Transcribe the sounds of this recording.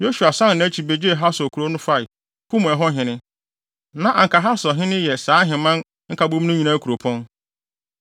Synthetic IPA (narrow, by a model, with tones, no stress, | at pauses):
jo˦su˨a˨sã˦n˨nã˨˦t͡ɕʰi˨be˨d͡ʑi˦e˨ɦa˦sɔ˨kʰu˨ɾo˦nʊ̃˦fa˦ɪ˨ | kʰʊ̃˦m̃˨ɛ˨ɦɔ˦ɦɪ̃˨nɪ̃˦ | nã˦ʔa˨ŋ̩˨kʰa˨ɦa˦sɔ˨ɦɪ̃˦nɪ̃˦jɛ˨sãː˨˦ɦɪ̃˨mã˦n | ŋ̩˦kʰa˨bo˦m˦nʊ̃˦ɲĩ˨nã˦kʰu˨ɾo˨pʰɔ̃˦n